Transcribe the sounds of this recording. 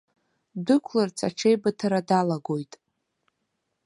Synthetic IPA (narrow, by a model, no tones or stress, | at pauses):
dɨkʷʰlart͡sʰaʈ͡ʂʰejbatʰaɾadalaɡo̞jtʼ